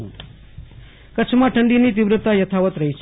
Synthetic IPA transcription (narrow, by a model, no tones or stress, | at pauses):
kət͡ʃʰmãʈʰəɳɖinit̪̬iʋɾət̪ːajət̪ʰaʋət̪ɾəɦit͡ʃʰ